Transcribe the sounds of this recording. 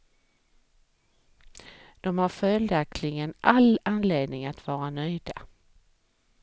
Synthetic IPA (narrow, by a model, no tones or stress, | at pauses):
d̪̥ɔmhaɾfœld̪akt̪ʰlɪɡənʔalanleːd̪nɪŋat̪vɑːɾanœjd̪a